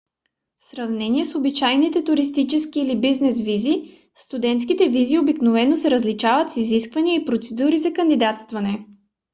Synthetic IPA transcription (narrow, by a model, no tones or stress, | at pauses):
fsɾɐvnɛniɛsobit͡ʃajnit̪ɛt̪uɾist̪it͡ʃɛskiːlibiznɛsvizi | st̪ud̪ɛnt̪skit̪ɛviziobiknovɛnosɛɾəzlit͡ʃavət̪siziskvɐniəipɾot̪sɛd̪uɾizɐkɐnd̪id̪at̪st̪vɐnɛ